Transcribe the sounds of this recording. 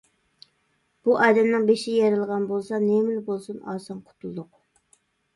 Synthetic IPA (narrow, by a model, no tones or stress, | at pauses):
b̥uʔɑːd̪ɛmnɨŋbeʃɪjɛɾɨlˠəʁɑnbolˠsɑnemɪlɪbolˠsunɑːsɑŋqʰʊ̥t̪ʰulˠd̪ʊq